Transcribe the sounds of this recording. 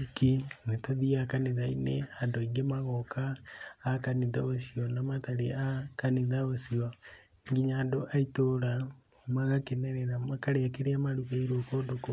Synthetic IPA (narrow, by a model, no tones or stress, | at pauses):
ikinetaðiakaneðaineandoiɡemaɣɔkaː | kaniðaosiɔnamataɾeakaniðaosiɔ | ŋɡiɲaːndoʔaitoɾa | maɣakenɛɾɛɾamakaɾeakeɾeamaɾuɣaiɾokoːndoko